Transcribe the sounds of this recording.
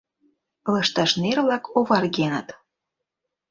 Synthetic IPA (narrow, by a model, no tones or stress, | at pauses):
lɤʃt̪ɑʃnervlɑkʰoβɑrɣenət̪